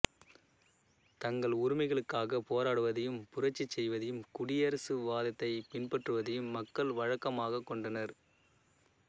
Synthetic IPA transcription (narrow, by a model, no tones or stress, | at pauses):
t̪ɐŋɡɐɭʊɾɪmɐɪɣɐɭɯkːaːɣɐpoːɾaːɽɯʋɐðɐjɯmpʊɾɐt͡ʃːit͡ʃːɛjʋɐðɐjɯmkʊɽɪjɐɾɐsɯʋaːðɐt̪ːɐɪpɪnpɐʈrɯʋɐðɐjɯmːɐkːɐɭʋɐɻɐkːɐmaːɣɐkːɔɳɖɐnɐɾ